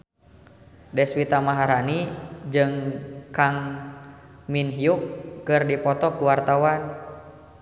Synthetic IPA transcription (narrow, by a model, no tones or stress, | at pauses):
dɛswit̪amaɦaɾanid͡ʒɨŋkaŋ | minɦijukːɨrdipɔt̪ɔkuwart̪awan